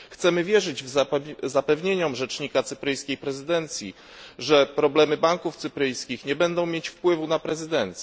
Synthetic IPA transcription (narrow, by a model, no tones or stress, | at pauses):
xt̪sɛmɘvʲjɛʐɘd͡ʑvzapɛvɲeɲɔmʐɛt͡ʂɲikat̪sɘpɾɘjskʲejpɾɛzɘd̪ɛnt̪sʲjḭ | ʐɛpɾɔblɛmɘbaŋkuft̪sɘpɾɘjskʲixɲɛbɛnd̪ɔ̃w̃mʲjet͡ɕfpwɘvunapɾɛzɘd̪ɛnt̪sʲɛ